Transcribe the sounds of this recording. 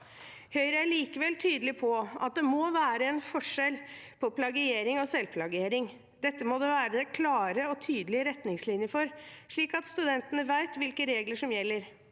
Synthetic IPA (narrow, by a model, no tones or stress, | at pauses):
hœʏɾəæɭiːkəʋɛlt̪ʰyːd̪əlɪpʰɔʔɑ̰t̪̚d̪ɛmɔʋæːɾəɛnfɔʂɛlpʰɔpʰlɑɡɪeːɾɪŋɔsɛlpʰlɑɡeːɾɪŋ | d̪ɛt̪ːəmɔd̪ɛʋæːɾəd̪ɛkʰlɑːɾəɔt̪ʰyːd̪əlɪəɾɛt̪nɪŋslɪnjəfɔɾʂɭiːkɑt̪st̪ʉd̪ɛnt̪ənəʋæɪt̪ʋɪlkəɾeːɡləʂɔmjɛlːəɾ